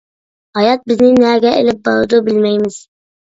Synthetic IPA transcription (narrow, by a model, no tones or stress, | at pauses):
hɑjɑt̪̚bɪznɪnæɡʲɛʔḛlɪp̚bɑɾud̪ubɪlmɛjmɪz̥